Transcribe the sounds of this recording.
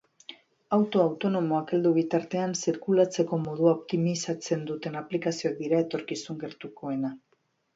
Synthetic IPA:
awt̪o̞awt̪o̞no̞mo̞ake̞ld̪uβ̞it̪aɾt̪e̞ansiɾkulat͡se̞ko̞mo̞ð̞uaopt̪imisat͡se̞nd̪ut̪e̞naplikasio̞ak̚d̪iɾae̞t̪o̞ɾkisuŋɡe̞ɾt̪uko̞e̞na

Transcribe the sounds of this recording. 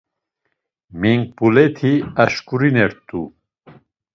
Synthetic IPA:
miŋɡ̚pulɛt̪ʰiaʃkuɾinɛɾt̪ʼu

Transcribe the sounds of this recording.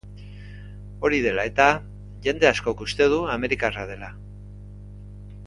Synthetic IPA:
o̞ɾiðe̞lae̞t̪a | ʝe̞nd̪e̞asko̞kust̪e̞ð̞uame̞ɾikarað̞e̞la

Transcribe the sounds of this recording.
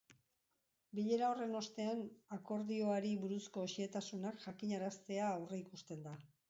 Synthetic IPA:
biʎe̞ɾao̞re̞no̞st̪e̞anako̞ɾðio̞aɾiβuɾusko̞ːʃie̞t̪asunakʝakiɲaɾast̪e̞aːwre̞ikust̪e̞nd̪a

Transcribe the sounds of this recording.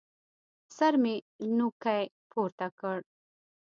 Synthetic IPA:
saɾmi | nukaj | pʰuːɾt̪akəɽ

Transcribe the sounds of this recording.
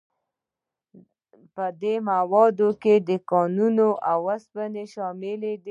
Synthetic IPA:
pəd̪emawɑd̪oked̪əkɑnunoʔawaspəneʃɑmɪled̪i

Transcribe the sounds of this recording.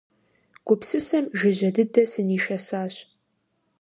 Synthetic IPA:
ɡ̥ʷʊpsɨsɐmʒɪʑɐdɨdɐsɨniːʃɐsaːɕ

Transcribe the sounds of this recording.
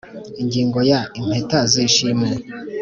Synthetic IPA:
iŋɡiːŋɡo̞jaim̥hetaziʃime

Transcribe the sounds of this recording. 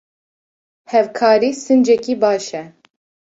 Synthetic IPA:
hɛvkʰɑːɾiːsɨnd͡ʒɛkiːbɑːʃɛ

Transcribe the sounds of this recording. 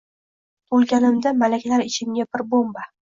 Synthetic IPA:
bolˠɡʲanɪmd̪amalakʲlaɾɪt͡ʃʰɪmɡʲabɪɾbomba

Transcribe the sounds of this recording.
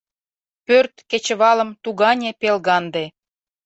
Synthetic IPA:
pørt̪ket͡ɕəβɑlə̆mt̪uɣɑnʲepelɣɑnd̪e

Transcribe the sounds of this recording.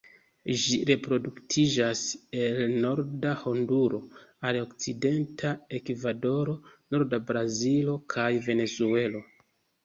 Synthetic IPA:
ʒiɾe̞pɾo̞duktʰid͡ʒase̞lno̞ɾdaho̞nduɾo̞aɾokt͡side̞ntʰae̞kvado̞ɾo̞no̞ɾdabɾazilo̞kʰajve̞ne̞zue̞lo̞

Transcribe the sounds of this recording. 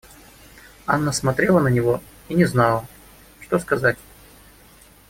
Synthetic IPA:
anːəsmɐt̪ɾʲelˠənənʲɪvo̞ | inʲɪznɑlˠə | ʂt̪o̞skɐzatʲ

